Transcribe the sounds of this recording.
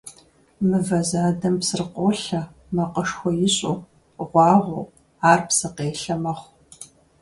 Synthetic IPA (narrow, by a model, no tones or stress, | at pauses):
mɨvɐzaːdɐmpsɨrqʷoːɬɐ | mɐqʼəʂxʷɔjɪɕʼo | ʁʷɑːʁʷo | aːrpsɨqeːɬɐmɐχʷ